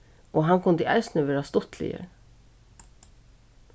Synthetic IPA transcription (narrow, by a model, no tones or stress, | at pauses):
ʔoːɦɑnkʰʊnd̪əʔæɪst̪nəʋeːɾast̪ʊt̪ʰlɪ̰jə̰ɾ